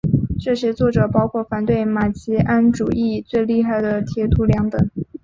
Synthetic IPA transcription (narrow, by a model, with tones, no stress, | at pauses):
ʈ͡ʂɤ˥˩ɕjɛ˥t͡swɔ˥˩ʈ͡ʂɤ˨˩pɑ˥ʊkʰwɔ˥˩fa˨˩nt̪we˥˩ɪma˨˩t͡ɕi˧˥ʔa˥nʈ͡ʂu˨˩ʔi˥˧t͡swe˥˧ɪli˥˧xa˥˩ɪd̪ə˩t̪ʰjɛ˧˥t̪ʰu˧˥ljɑ˧˥ŋt̪ɤ˨˩˦ŋ